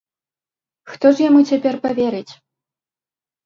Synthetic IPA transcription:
xt̪ɔʐjamut͡sʲapʲɛrpavʲɛɾɨt͡sʲ

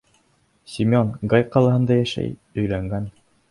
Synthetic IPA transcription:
sʲimʲonɡɑjqɑlˠɑɦɤ̆nd̪ɑjæʃæ̰jɵ̆jlæŋɡæn

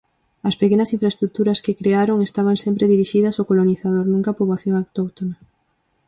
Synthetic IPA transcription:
ɐspekenɐsĩɱfɾaest̪ɾut̪uɾɐskekɾeaɾoŋest̪aβ̞aŋsempɾeðiɾiʃiðɐsokoloniθað̞oɾnũŋkapoβlaθjoŋawt̪okt̪ona

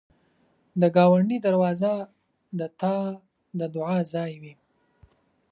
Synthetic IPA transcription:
d̪əɡɑwaɳɖid̪aɾwɑza | d̪ət̪ʰɑ | d̪əd̪ʊʕɑzɑjwi

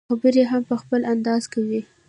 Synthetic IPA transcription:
xabəɾeɦampəxpəlʔand̪ɑz̥kawi

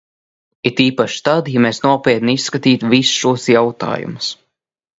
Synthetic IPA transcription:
it̪iːpaʃt̪ad̪jameːsnuɔpʲiɛt̪nisːkat̪iːt̪visʃuɔsjawt̪a̰ːjṵmʊs

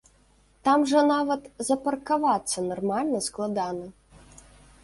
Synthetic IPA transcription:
t̪amʐɐnavɐt̪zɐpɐrkavat̪sːɐnɔrmalʲnɐsklˠad̪anɐ

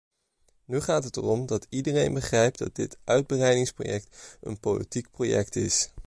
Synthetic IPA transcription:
nyχaːtətərɔmdɑtidərejnbəχrɛjp̚dɑd̚dɪtʔœɥd̚bərɛjdɪŋspro̰jɛk̚tə̰npolḭtik̚projɛ̰ktɪs

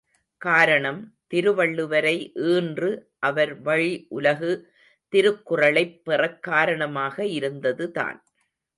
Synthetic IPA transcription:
kaːɾɐɳɐmt̪ɪɾɯʋɐɭːɯʋɐɾɐɪʔɯːndrɯ | ʔɐʋɐɾʋɐɻiʔʊlɐɣɯ | t̪ɪɾɯkːʊrɐɭɐɪpːɛrɐkːaːɾɐɳɐmaːɣɐɪɾɯnd̪ɐðɯða̰ːn

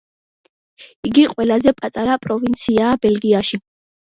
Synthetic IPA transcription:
iɡiqʼwɛlazɛpʼat̪ʼaɾapʼɾɔvint̪sʰiaːbɛlɡiaʃi

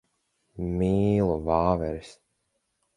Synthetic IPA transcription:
miːlˠuvaːvɛɾis

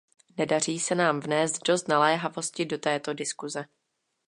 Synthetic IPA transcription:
nɛdar̝iːsɛnaːmvnɛːst̪do̞st̪nalɛːɦavo̞scɪdo̞t̪ɛːt̪o̞dɪskuzɛ

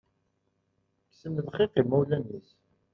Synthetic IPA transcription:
ksənðχɪqimːæwlænis

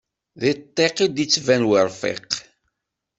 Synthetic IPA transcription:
ðit̪ˤːeqid̪it͡sːvænwəɾˤfɛ̰q

